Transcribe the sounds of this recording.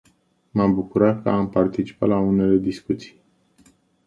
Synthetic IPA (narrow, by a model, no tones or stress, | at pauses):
mambukuɾat̪̚kə̰ampart̪it͡ʃi̥pat̪laune̞le̞d̪iskut̪si̥j